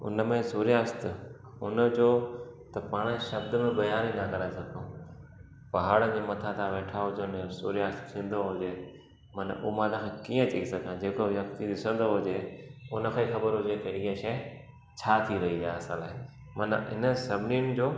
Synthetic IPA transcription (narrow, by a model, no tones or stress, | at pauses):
ʊ̰nəmẽsuːɾijaːst̪ | ʊnəd͡ʑoːt̪ɐpaːɽ̃eʃɐbd̪əmẽbɐjaːɾĩnakɐɾaːɪsɐɡʰʱõː | pɐɦaːɽəd͡ʑeːmɐt̪ʰat̪ʰãʋeːʈʰaɦʊd͡ʑeʊnd͡ʑosuːɾijaːst̪ʰĩːə̃nd̪oɦʊd͡ʑeː | mɐnʔmaːd̪ãkʰãːkiːə̃t͡ɕɐisɐɡʱãd͡ʑeːkojɐkt̪id̪ɪsə̃nd̪oɦʊd͡ʑeːʊnə̆kʰãːixɐbəɾɦʊd͡ʑet̪ɐiːɦẽʃɐ | t͡ɕʰaːt̪ʰiɾɐɦiaːɐsãːlaːɪ | mɐn̰ɪnə̆sɐbʱɪniʊnɪ̆d͡ʑoː